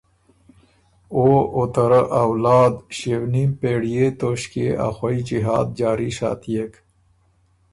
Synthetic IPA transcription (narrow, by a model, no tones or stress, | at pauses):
oot̪əɾəʔawlaːd̪ɕewnimpeːɽijet̪oːɕkeʔa̰xwɐid͡ʑiɦa̰ːd̪̚d͡ʑaːɾiɕa̰ːt̪ijek